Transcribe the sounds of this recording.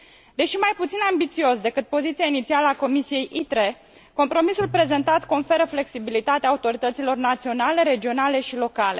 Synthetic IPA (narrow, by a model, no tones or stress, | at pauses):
d̪e̞ʃimajput̪sinambit̪sio̞sd̪e̞kɨt̪̚po̞zit̪sijainit̪sialəako̞misije̞jʔit̪ɾe̞ | ko̞mpɾo̞misulpɾe̞ze̞nt̪at̪ko̞nfe̞ɾəfle̞ksibilit̪at̪eaːut̪o̞ɾit̪ət̪silo̞rnat̪sio̞nale̞ɾe̞d͡ʒio̞nale̞ʃilo̞kale̞